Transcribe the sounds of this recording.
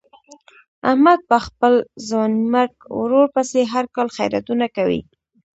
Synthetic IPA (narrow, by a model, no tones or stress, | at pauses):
ahmad̪̚pəxpəlzɑnmaɾɡwɾoɾpəseɦaɾkɑlxa̰jɾa̰t̪unakawḭ